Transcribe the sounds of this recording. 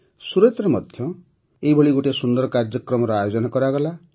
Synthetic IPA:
suɾet̪ɾɔmʌd̪ʱjʌ | ejbʱʌɭiɡuʈesund̪ʌɾkaɾd͡ʒʌkrɔmɔɾɔajod͡ʒɔnakɔɾaɡɔla

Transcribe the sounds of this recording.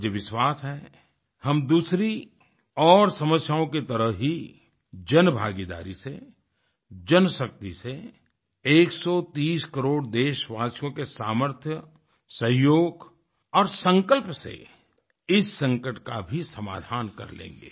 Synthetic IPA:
d͡ʒeʋɪʃwaːsɦɛː | hɐmd̪uːsɾi | ɔːɾsɐməsjaːõket̪ɐɾəɦɦi | d͡ʒɐnbʱa̰ːɡid̪a̰ːɾise | d͡ʒɐnʃɐk̚t̪ise | eːksɔt̪iːskəɾoːɽd̪eːʃʋaːsjõkesaːməɾt̪ʰjə | sɐɦjoːɡ | ɔːɾsə̃ŋkəlpsḛ | ɪsːə̃ŋkəʈkabʱisɐma̰ːd̪ʱaːnkɐ̰ɾlḛ̃ːŋɡḛː

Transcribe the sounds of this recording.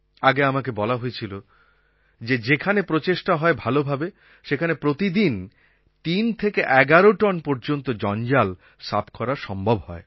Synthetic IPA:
aɡeamakebɔlaɦojet͡ɕʰilo | d͡ʑed͡ʑekʰanepɾot͡ɕeʃʈaɦɔebʱalobʱabe | ʃekʰanepɾot̪id̪in | t̪int̪ʰekeʔɛɡaɾoʈɔnpɔɾd͡ʑont̪od͡ʑɔnd͡ʑal | sapkɔɾaɾʃɔmbʱobhɔe

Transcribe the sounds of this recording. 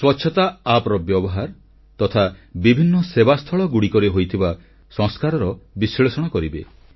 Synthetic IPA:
swɔtːʃʰɔt̪aapɾɔbjɔbɔɦaɾ | t̪ɔt̪ʰabibʱinːɔsebast̪ʰɔɭɔɡuɽikɔɾeɦojt̪ʰiba | sɔ̃ŋskaɾɔɾɔbisɔɭesɔɽ̃ɔkɔɾibe

